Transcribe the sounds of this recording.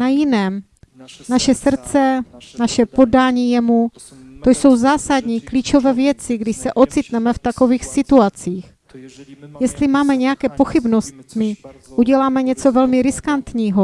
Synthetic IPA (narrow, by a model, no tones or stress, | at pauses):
najɪnɛːm | naʃɛsr̩t͡sɛnaʃɛpo̞daːɲiːjɛmu | t̪ojso̞wzaːsad̪ɲiːkliːt͡ʃo̞vɛːvjɛt͡sɪɡdɪʃsɛʔo̞t͡sɪt̪nɛmɛft̪ako̞viːxsɪt̪uat͡siːx | jɛst̪lɪmaːmɛɲɛjakɛːpoxɪbnost̪mɪʔuɟɛlaːmɛɲɛt͡so̞vɛlmɪɾɪskant̪ɲiːɦo